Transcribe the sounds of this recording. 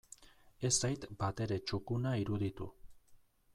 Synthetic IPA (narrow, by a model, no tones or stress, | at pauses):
e̞sajt̪bat̪e̞ɾe̞t͡ʃukunaiɾuðit̪ṵ